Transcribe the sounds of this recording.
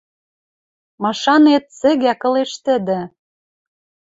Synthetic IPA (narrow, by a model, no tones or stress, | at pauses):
mɑʃɑnet̪̚sɘ̆ɣækɤ̆leʃt̪ɘ̆d̪ɘ̆